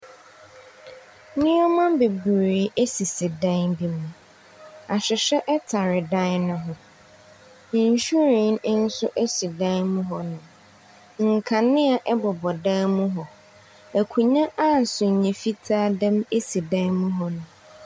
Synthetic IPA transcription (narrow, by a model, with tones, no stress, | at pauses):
nɪ̃˦ɔ˦mã˦be˨bu˨ɾeː˨e˦si˨se˨dã˦nbi˦mũ˨ | a˨ɕᶣɪ˨ɕᶣɛ˦ʔɛ˦tʰa˨ɾɪ˨dã˦nnʊ̃˦ɦʊ̃˨ | n̩˨ɕᶣu˦ɾi˨n˦n̩˦sʊ˦ʔe˦si˨dã˦nmũ˦ɦɔ˨nʊ̃˨ | ŋ̩˨kʰã˨nɪ̃˦a˨ʔɛ˦bɔ˨bɔ˨dã˦mũ˦ɦɔ˨ | æ˨kʰũ˨ɲã˦ʔa˦˨n̩˨sʊ˨ɲɛ̃˨fi˦tʰaː˦dã˦me˦si˨dã˦nmũ˦ɦɔ˦nʊ̃˨